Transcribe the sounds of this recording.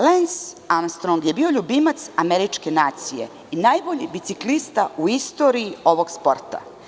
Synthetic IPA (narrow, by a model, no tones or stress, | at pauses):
lens | amst̪ɾoŋɡje̞biːo̞ʎubimat̪sameɾit͡ʃke̞naːt̪sije̞̰ | inaːjboʎibit̪siklist̪auist̪o̞ɾiːo̞ʋo̞ɡspo̞ɾt̪a̰